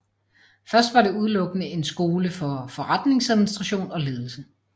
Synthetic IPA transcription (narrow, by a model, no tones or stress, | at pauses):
fɶɐsd̥ʋɑ̈ɾe̝uð̞ˠlɔ̽ɡ̥ənəe̝nsɡ̥o̝ːləfɒ̽fɒ̽ʁad̥ne̝ŋsæðˠminisd̥ʁɑɕo̝̰ːnɒ̽le̝ːð̞ˠl̩sə